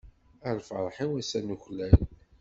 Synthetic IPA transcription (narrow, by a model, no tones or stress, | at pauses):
əɾfəɾˤħiwæsænuçlæl